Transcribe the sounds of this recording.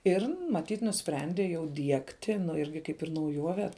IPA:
ɪr mɐˈtʲiːt nʊˈsʲpʲrʲɛnʲdʲeː jɛʊ ˈdʲiɛktʲɪ nʊ ˈɪrʲɡʲɪ ˈkɐɪp ɪr nɐʊˈjuɔʋʲɛ

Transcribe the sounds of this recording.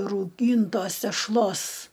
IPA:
rɐʊˈɡʲiːntoːs tʲɛʃˈlˠoːs

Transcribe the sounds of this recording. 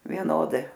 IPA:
ʋʲiɛˈnoːdɐɪ

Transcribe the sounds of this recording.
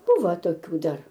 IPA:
ˈbʊʋɐ toːˈkʲuː ˈdɐr

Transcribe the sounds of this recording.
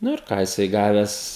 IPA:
ˈnʊ ɪr ˈkɑː jɪˈsɐɪ ˈɡɑːʋʲɛs

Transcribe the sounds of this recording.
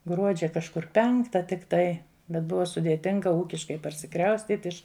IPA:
ˈɡruɔd͡ʒʲɛ kɐʃˈkʊr ˈpʲɛŋktɐ tʲɪkˈtɐɪ bʲɛt ˈbʊʋɐ sʊdʲeːˈtʲɪŋɡɐ ˈuːkʲɪʃkɐɪ pɐrʲsʲɪˈkrɐʊsʲtʲiːtʲ ˈɪʃ

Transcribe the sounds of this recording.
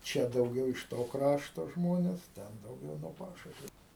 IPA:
ˈt͡ʃʲɛ dɐʊˈɡʲɛʊ ɪʃ ˈtoː ˈkrɑːʃtoː ˈʒmoːnʲɛs ˈtʲɛn dɐʊˈɡʲɛʊ noː ˈpɑːʃʊʃʲʋʲʊ

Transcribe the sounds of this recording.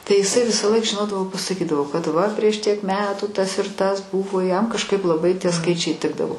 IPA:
tɐɪ ɪˈsɐɪ ˈʋʲɪsɑːˌlˠɐɪk ʒʲɪˈnoːdɐʋoː pɐsɐˈkʲiːdɐʋoː kɐt ˈʋɐ pʲrʲiɛʃ ˈtʲiɛk ˈmʲæːtuː ˈtɐs ɪr ˈtɐs ˈbuːʋoː jɛm kɐʃˈkɐɪp lˠɐˈbɐɪ tʲiɛ ˈskɐɪt͡ʃʲɛɪ ˈtʲɪɡdɐʋoː

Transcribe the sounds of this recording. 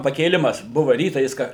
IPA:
pɐkʲeːˈlʲɪmɐs ˈbʊʋɐ ˈrʲiːtɑː jɪs ˈkɐ

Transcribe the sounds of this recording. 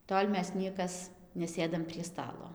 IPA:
ˈtoːlʲ ˈmʲɛs ˈnʲiɛkɐs nʲɛˈsʲeːdɐm pʲrʲiɛ ˈstɑːlˠoː

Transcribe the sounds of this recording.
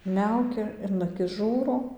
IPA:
ˈmʲɛʊkʲɛ ɪn ɐˈkʲɪs ˈʒuːroː

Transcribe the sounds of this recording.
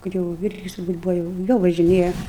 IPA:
ˈkɐt jɛʊ ˈʋʲɪrʲɡʲɪs tʊrˈbuːt ˈbʊʋɐ jɛʊ ˈjɛʊ ʋɐʒʲɪˈnʲeːjɛ

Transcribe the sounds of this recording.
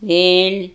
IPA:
ˈʋʲeːlʲ

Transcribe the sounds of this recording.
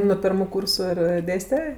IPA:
noː ˈpʲɪrmʊ ˈkuːrsʊ ɪr ˈdʲeːsʲtʲɛ

